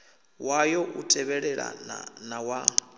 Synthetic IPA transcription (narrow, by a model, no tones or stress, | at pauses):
wajɔʔutʰʼɛβɛɺɛɺa̰nawa